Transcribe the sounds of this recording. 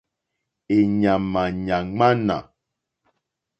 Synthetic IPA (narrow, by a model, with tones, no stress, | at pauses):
e˨ɲa˨ma˨ɲa˨ŋ͡ma˦na̰˨